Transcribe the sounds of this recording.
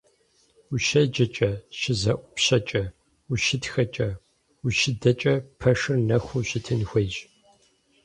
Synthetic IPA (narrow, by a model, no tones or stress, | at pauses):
uʃɐd͡ʒɐt͡ʃʼɐʃɪzɐʔʷʼʊpɕɐt͡ʃʼɐ | uʃɪtxɐt͡ʃʼɐ | uʃɪdɐt͡ʃʼɐpʰɐʂɨrnɐxʷuɕɪtʰɨnxʷejʒ